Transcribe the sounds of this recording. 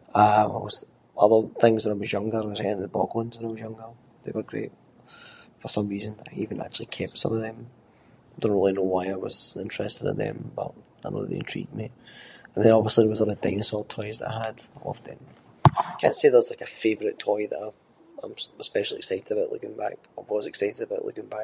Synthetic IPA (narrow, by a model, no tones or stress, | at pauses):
ʌɪwʌz̥ | ʔʌðə˞θɪ̃ŋzwə̃naɪwɔzjʌ̃ŋɡə˞əzaɛ̃nðəbɔ̰ɡwə̃nzwə̃naɪwʌzjʌ̃ŋɡə˞ | ðḛwə˞ɡɹḛʔ | fə˞sʌ̃mɹizə̃na̰ɪivə̃nʔa̰k̚t͡ʃʉl̩ˠikʰɛp̚sʌ̰̃məvðə̃m | aɪdõnʔɹilˠinowaɪaɪwʌ̰z̥ɪ̃nt͡ʃɹ̥ɛstɪdɪ̰̃nðə̰̃mbʌ̰ʔ | aɪno̰ðəʔðḛɪ̃ntʰɹ̥ḭʔdmiə̃nðə̃ɔbviəslˠiðəwɔzəɾədḛɪnəsɔlˠtʰɔɪzðəʔa̰ɪəd̥ɔ̰fðə̰̃n | aɪkʰã̰nseðəzlaɪkəfevəɹɪtʰɔɪðə̰ʔa | ãɪ̃mwspɛʃl̩ˠiɪksaɪʔɪdəbəʊʔlˠʉ̰kɪ̃ŋba̰k̚ | aɪwɔzɪksaɪʔɪdəbəʊʔlˠʉ̰kɪ̃ŋbak̚